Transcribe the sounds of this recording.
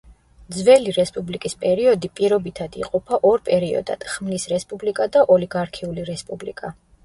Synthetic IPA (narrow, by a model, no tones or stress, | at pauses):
d̪zvɛliɾɛspʼublikʼispʼɛɾiɔd̪ipʼiɾɔbit̪ʰad̪iqʼɔpʰaʔɔɾpʼɛɾiɔ̰d̪a̰d̪̥χmnisɾɛspʼublikʼad̪aʔɔliɡaɾkʰiuliɾɛspʼublḭkʼa